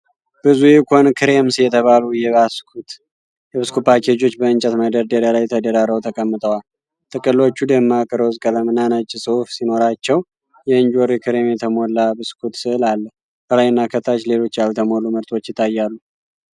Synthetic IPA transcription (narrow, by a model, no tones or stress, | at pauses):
b̥ɨzujekʷʰonkʰɨɾe̞msjɛt̪ʰəβalujɛβaskʰut̪ | jɛβɨskʰupakʰed͡ʒo̞t͡ʃːbəɨnt͡ʃʼɛt̪məd̪əɾd̪əd̪alajt̪ʰəd̪əɾaɾəwt̪ʰəkʼəmːɨt̪ʼəwal | t̪ʼɨkʼɨlːo̞t͡ʃːud̪əmːakʼɨɾozʼkʼələmɨnanət͡ʃʼːɪsʼɨufsino̞ɾat͡ʃːɛw | jɛɨnd͡ʒoɾikʰɨɾe̞mjɛt̪ʰəmo̞lːabɨskʰut̪sɨɨlalːəh | kʰəlajnːakʰət̪ʰːat͡ʃle̞lo̞t͡ʃːjalt̪ʰəmo̞luməɾt̪ʰo̞t͡ʃːjɪt̪ʰːajːalːu